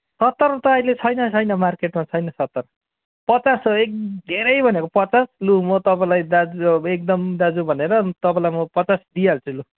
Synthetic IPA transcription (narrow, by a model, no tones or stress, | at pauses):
sʌt̪ːʌrt̪ʌːilet͡sʰʌjnʌt͡sʰʌjnʌmarkeʈmat͡sʰʌjnʌsʌt̪ːʌr | pʌt͡sasek̚d̪ʱeɾʌjbʱʌnekopʌt͡saslumʌt̪ʌpãlajd̪ad͡zek̚d̪ʌmd̪ad͡zubʱʌneɾʌt̪ʌpãlajmʌpʌt͡sasd̪ialt͡sĩlu